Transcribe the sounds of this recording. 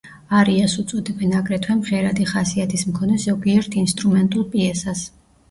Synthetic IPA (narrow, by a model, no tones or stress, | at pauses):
aɾiasut̪sʼɔd̪ɛbɛnakʼɾɛt̪ʰwɛmʁɛɾad̪iχasiat̪ʰismkʰɔnɛzɔɡiɛɾt̪ʰinst̪ʼɾumɛnt̪ʼulˠpʼiɛsas